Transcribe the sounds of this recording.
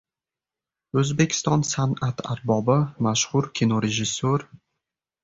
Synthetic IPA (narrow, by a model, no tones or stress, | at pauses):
ɵzbekʲʰɪ̥st̪ɒnsanat̪ʰaɾbɒbɪmaʃhʊɾkʲʰinoɾeʒɪsːoɾ